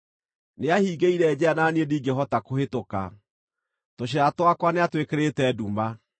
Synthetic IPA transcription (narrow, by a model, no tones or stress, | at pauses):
neahiːɡeiɾɛd͡ʑɛanaːniediːɡeɦɔtakohetoka̰ | toɕ̬eatwakwaneatwekeɾetɛduma